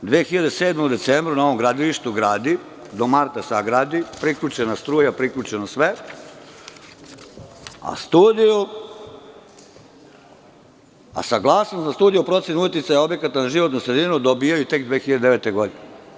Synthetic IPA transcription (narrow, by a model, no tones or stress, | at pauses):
d̪ʋeːxiʎad̪eseːd̪mod̪e̞t̪seːmbɾunao̞ʋo̞mɡɾad̪iliʃt̪uɡɾaːd̪i | d̪o̞maɾt̪asaɡɾaːd̪ipɾikʎʲut͡ʃenast̪ɾuːjapɾikʎʲut͡ʃenosʋe | a̰st̪uːd̪iju | a̰saɡlˠaːsnosnast̪uːd̪ijupɾo̞t̪senujet̪jʲit̪sajao̞bje̞kat̪anaʒiʋot̪nusɾed̪inud̪obijajut̪e̞kd̪ʋeːxiʎad̪eeʋeːt̪eɡo̞d̪ine